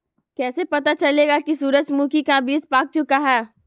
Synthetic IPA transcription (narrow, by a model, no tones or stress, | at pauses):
kɛːsepɐt̪at͡ʃɐleːɡakisuːɾəd͡ʒmũkikãbʱiːspaːk̚t͡ʃʊkaɦɛː